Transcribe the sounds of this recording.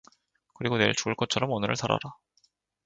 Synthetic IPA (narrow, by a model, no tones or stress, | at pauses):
kɯɾiɡoneɭt͡ɕuɯɭk͈ʌt̚t͡ɕʰʌɾʌmonɯɾɯ̰ɭtaɾa̰ɾa